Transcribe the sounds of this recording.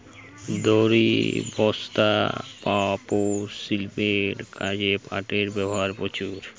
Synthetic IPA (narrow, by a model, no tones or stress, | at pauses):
d̪oɾḭbɔst̪apaposilpeʈkʰad͡ʑepʰa̰ʈeɾbɛboɦaɾpot͡ɕuɾ